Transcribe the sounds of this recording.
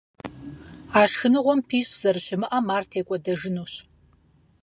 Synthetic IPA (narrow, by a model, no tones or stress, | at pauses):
aːʃxɨnɨʁʷɔmpʰiːɕʼz̥ɐrɕɪmɨʔɐmaːrtʰeːkʷʼɔdɐʒɨnuːɕ